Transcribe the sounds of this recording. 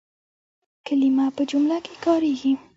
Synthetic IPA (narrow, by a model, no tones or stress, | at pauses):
kalimapəd͡ʒʊmlakekɑɾeɡi